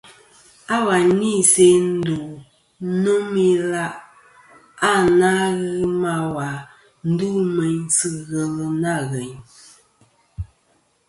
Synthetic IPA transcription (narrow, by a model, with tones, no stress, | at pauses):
a˦wa˨ni˦˨se˦n̩˦du˨ | no˦mi˦la˦ʔ | a˦˨na˦ɣɨ˦ma˦wa˨ | n̩˦du˦mɛ˨ɲ˦sɨ˦ɣɛ˨lə˨na˦˨ɣɛ˨ɲ